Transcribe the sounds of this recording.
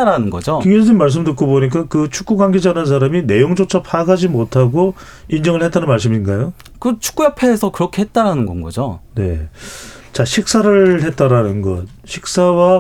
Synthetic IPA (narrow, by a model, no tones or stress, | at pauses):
aɾanɯnɡʌ̰d͡ʑokiŋɡiʌd͡ʑinmaɭs̬͈ɯmtɯk͈oboɲik͈akɯt͡ɕʰuk͈uɡwaŋɡed͡ʑanans̬ʰaɾamine̞joŋd͡ʑot͡ɕʰʌpʰaɡad͡ʑimotʰaɡo | ind͡ʑʌŋɯɭhe̞t͈̚anɯnmaɭs̬͈ɯminɡajo | kɯt͡ɕʰu̥k͈ujapʰeːsʰʌkɯɾʌkʰehet̚t͈aɾanɯnɡʌ̰nɡʌ̰d͡ʑo̰ne̞̰ | t͡ɕaɕʰik̚s͈aɾɯɭhe̞t̚t͈aɾanɯnɡʌ̰t | ɕʰik̚s͈awa